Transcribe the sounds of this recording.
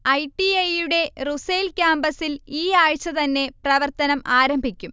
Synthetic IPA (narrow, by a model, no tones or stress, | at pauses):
ɐjʈiɐjuɽe̞rusejlkʲaːmbɐsiliːaːɻt͡ɕːɐt̪ɐnːe̞prɐʋɐrt̪ɐnɐmʔaːɾɐmbʱikʲːum